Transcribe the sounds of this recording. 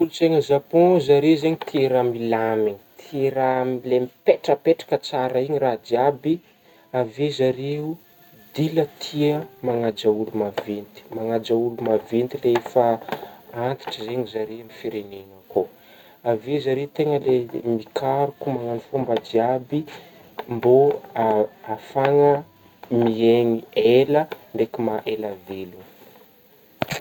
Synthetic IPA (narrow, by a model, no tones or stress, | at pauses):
ulut͡seŋəzapɔ̃zaɾezeɲit̪ʰiɾamilamiɲi̥t̪ʰiɾalemipeʈ͡ʂəpeʈ͡ʂḁkət͡saɾəiɲirad̪iabi | avezaɾeu | d̪ilət̪ʰiəmaŋad͡ʒaulumavent̪i̥maŋad͡ʒaulumavent̪ileefə | ant̪i̥ʈ͡ʂizeɲizaɾimifiɾeneŋəko | avizaɾeut̪eŋəlemikʰaɾukumaŋanifumbad͡ʒiabi | mbo | afaŋə | mieŋieləɳɖ͡ʐekimaʔelavelun